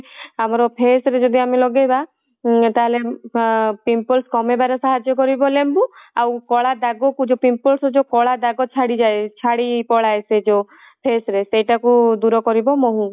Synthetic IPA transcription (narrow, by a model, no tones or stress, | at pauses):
amɔɾɔpʰesɾed͡ʒɔd̪ʱiamilɔɡeba | t̪aɦele | pimpɔlskɔmebaɾesaɦad͡ʒɔkɔɾibɔlembuawkɔɭad̪aɡɔkud͡ʒopimpɔlsɔd͡ʒokɔɭad̪aɡɔt͡ʃʰaɽid͡ʒaet͡ʃʰaɽipɔɽajsed͡ʒo | pʰesɾesejʈakud̪uɾɔkɔɾibɔmɔɦũ